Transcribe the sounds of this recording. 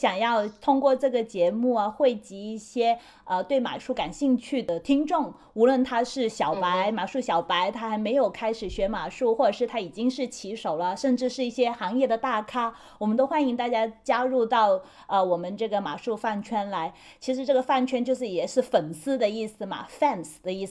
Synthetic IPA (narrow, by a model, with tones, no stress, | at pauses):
ɕjɑ˨˩ŋjɑ˥˧ʊt̪ʰʊ˥ŋkwɔ˥˧ʈ͡ʂɤ˥˩ɡə˩t͡ɕjɛ˧˥mu˥˩ɐ˩xwe˥˩ɪt͡ɕi˧˥i˥˩ɕjɛ˥ | ə˧t̪we˥˩ɪma̰˨˩ʂu˥˩ka˨˩nɕi˥˧ŋt͡ɕʰy˥˩d̪ə˩t̪ʰi˥ŋʈ͡ʂʊ˥˩ŋ | u˧˥lwə˥˩nt̪ʰa˥ʂɻ̩˥˩ɕjɑ˨˩ʊpa˧˥ɪma˨˩ʂu˥˩ɕjɑ˨˩ʊpa˧˥ɪt̪ʰa˥xa˧˥ɪme˧˥ɪjo˨˩ʊkʰa˥ɪʂɻ̩˨˩ɕɥɛ˧˥ma˨˩ʂu˥˧xwɔ˥˩ʈ͡ʂə˨˩ʂɻ̩˥˩t̪ʰa˥i˨˩t͡ɕi˥ŋʂɻ̩˥˩t͡ɕʰi˧˥ʂo˨˩ʊlə˦ʂə˥˧nʈ͡ʂɻ̩˥˧ʂɻ̩˥˧i˥˩ɕjɛ˥xɑ˧˥ŋjɛ˥˩d̪ə˩t̪a˥˩kʰa˥ | wɔ˨˩mə˦nt̪o˥ʊxwa˥ni˧˥ŋt̪a˥˩t͡ɕja˥t͡ɕja˥ɻu˥˧t̪ɑ˥˩ʊ | ə˧wɔ˨˩mə˦nʈ͡ʂɤ˥˩ɡə˩ma̰˨˩ʂu˥˧fa˥˩nt͡ɕʰɥɛ˥nla˧˥ɪ | t͡ɕʰi˧˥ʂɻ̩˧˥ʈ͡ʂɤ˥˩ə˩fa˥˩nt͡ɕʰɥɛ˥nt͡ɕjo˥˧ʊʂ̬ɻ̩˥˩jɛ˨˩ʂɻ̩˥˩fə˨˩nsɹ̩˥d̪ə˨i˥˩sɹ̩˩mɐ̰˩fɛ˥˧nsd̪ə˩i˥˩